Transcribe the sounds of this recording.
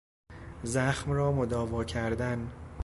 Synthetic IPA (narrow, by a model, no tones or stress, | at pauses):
zæxmɾɒːmod̪ɒːvɒːcʰæɾd̪æn